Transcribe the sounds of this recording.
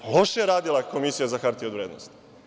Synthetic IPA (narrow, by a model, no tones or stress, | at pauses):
lo̞ʃejeɾaːd̪ilako̞misijazaxaɾt̪iod̪ʋɾed̪no̰st̪